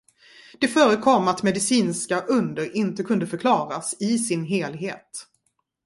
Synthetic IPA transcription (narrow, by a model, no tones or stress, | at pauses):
d̪̥ɛfœːɾəkʰɔmːat̪mɛd̪ɪsiːnskaʔɵnd̪əɾɪnt̪əkʰɵnd̪əfœɾkʰlɑːɾasɪsɪnɦeːlɦeːt̪